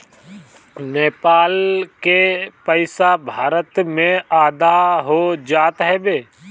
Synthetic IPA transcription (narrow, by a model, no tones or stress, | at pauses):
neːpaːlkepəɪsabʱaːɾət̪mẽaːd̪aɦod͡ʒaːt̪ɦɛbeː